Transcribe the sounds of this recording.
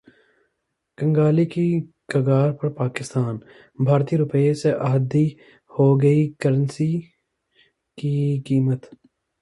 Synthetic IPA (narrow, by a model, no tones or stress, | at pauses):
kɐ̃ŋɡaːliki | kɐɡaːɾpɐɾpaːkɪst̪aːn | bʱaːɾt̪iɾʊpəeseʔɐɦəd̪i | hoɡɐikəɾə̃nsi | kikiːmət̪